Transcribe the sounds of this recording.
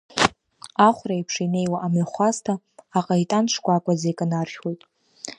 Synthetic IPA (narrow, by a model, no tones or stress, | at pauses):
aχʷraipʰʂine̞jwaʔamaχʷastʰaː | qʼaitʼant͡ʃʰkʷʼakʷʼazejkʼanarχʲwojtʼ